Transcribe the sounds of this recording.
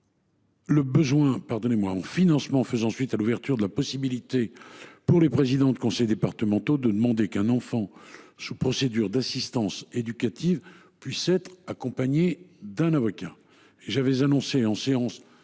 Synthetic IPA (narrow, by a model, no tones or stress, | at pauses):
ləbəzwɛ̃paʁd̪ɔnemwaɑ̃finɑ̃smɑ̃fəzɑ̃sɥit̪aluvɛʁt̪yʁd̪əlapɔsibilit̪epuʁlepχezid̪ɑ̃d̪ykɔ̃sɛjd̪epaʁt̪əmɑ̃t̪od̪əd̪əmɑ̃d̪ekɛ̃nɑ̃fɑ̃supχɔsed̪yʁd̪asist̪ɑ̃sed̪ykʲat̪iv | pɥisɛt̪χakɔ̃paɲed̪ɛ̃navɔkʲa | eʒavɛzanɔ̃seɑ̃seɑ̃s